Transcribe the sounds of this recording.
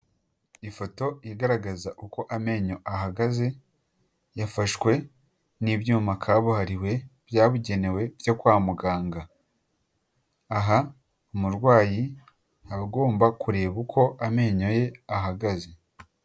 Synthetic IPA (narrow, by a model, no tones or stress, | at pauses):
ifo̞to̞iɡaɾaɡazaʔuko̞ʔame̞ːɲo̞ʔaɦaɡaze̞ | jafaʃkwe̞ | nibjuːmakʰaːβuhaɾiwe̞b̥jaːβuɟe̞ne̞we̞vjo̞kwaːmuɡaːŋɡa | ɦa | umuɾɡwaːji | aβɡo̞ːmbakuɾe̞ːβukʰo̞ʔame̞ːɲo̞je̞aɦaɡaze̞